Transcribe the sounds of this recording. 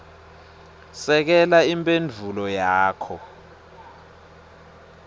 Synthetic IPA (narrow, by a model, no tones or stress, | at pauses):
sɛk̬ɛlaimpʼend͡vʱulɔjaːkʰɔ